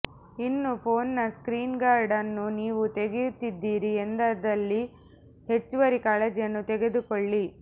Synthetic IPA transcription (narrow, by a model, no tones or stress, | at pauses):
inːupʰoːnnɐskɾiːnɡaːɾɖɐnːuniːʋut̪eɡejut̪ːid̪ːiːɾiend̪ɐd̪ɐlːi | he̞t͡ʃːuʋɐɾikaːɭed͡ʒjɐnːut̪ɛɡe̞d̪ukoɭːi